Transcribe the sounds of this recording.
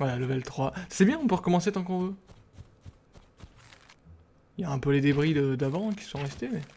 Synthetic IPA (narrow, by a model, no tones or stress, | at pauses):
vwalalɔvɛlt̪χwasɛbjɛ̃ɔ̃pøʁəkɔmɑ̃set̪ɑ̃kɔ̃vø | ijaɛ̃pøled̪ebʁid̪əd̪avɑ̃ɛ̃kʲi̥sɔ̃ʁɛst̪emɛ